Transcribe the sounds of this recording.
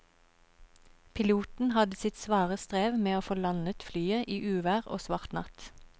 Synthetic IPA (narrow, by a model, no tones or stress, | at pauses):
pʰɪluːt̪n̩hɑd̪əsɪt̪sʋɑːʁəst̪ʁeːʋmeːoːfoːlɑnət̪flyːəʔiːʔʉːʋæːʁo̰ːsʋɑʁt̪nɑt̪